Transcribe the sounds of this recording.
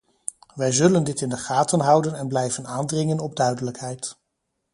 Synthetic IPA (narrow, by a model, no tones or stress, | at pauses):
ʋɛjzɵləndɪtɪndəχaːtənɦʌwdənɛnblɛjvənaːndrɪŋənɔb̚dœɥdələkɦɛjt